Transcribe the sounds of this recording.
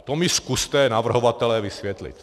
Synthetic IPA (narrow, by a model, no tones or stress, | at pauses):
t̪omiskust̪ɛnavr̩ɦovat̪ɛlɛvisvjɛt̪lḭt̪